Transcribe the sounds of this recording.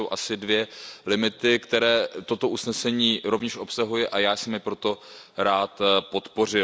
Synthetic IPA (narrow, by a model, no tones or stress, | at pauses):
owʔasɪdvjɛlɪmɪt̪ɪkt̪ɛɾɛːt̪o̞t̪o̞ʔusnɛsɛɲiːɾo̞vɲɛʃʔo̞psaɦujɪʔajaːsɛmːɪpɾo̞t̪o̞ɾaːt̪po̞t̪po̞rɪ